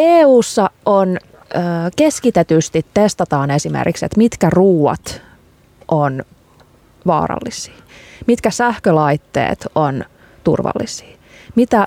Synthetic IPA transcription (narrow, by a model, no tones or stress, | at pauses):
eːuːsːɑonː | keskit̪et̪yst̪it̪ːest̪ɑt̪ɑːne̞simḛrkiksḛt̪mit̪kæruːwɑ̰t̪ | ʔon | ʋɑ̰ːrɑ̰lːisi̥ːmit̪kæsæhkølɑjt̪ːḛːt̪on | t̪ṵrʋɑ̰lːisi̥ː | mit̪æ